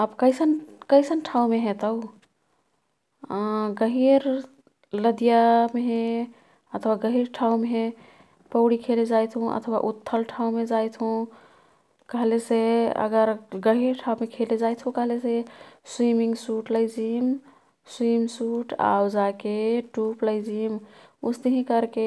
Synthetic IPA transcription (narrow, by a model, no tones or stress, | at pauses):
əbkəɪsənkəɪsənʈʰaũmeɦɛ̃t̪əʊ | ɡəɦiɾ | ləd̪ijameɦẽ | ət̪ʰwaɡəɦiɾʈʰaũmeɦẽ | pəʊɽikʰeled͡ʒajt̪ʰɦũʔə̰t̪ʰwa̰ʔut̪ʰːəlʈʰaũmed͡ʒajt̪ʰɦũ | kəɦleseə̰ɡəɾɡəɦiɾʈʰaũmekʰeled͡ʒajt̪ʰɦũkəɦleseswimiŋɡsuʈləɪd͡ʒim | swimsuʈa̰wd͡ʒakeʈupləɪd͡ʒimṵst̪əɦĩkəɾke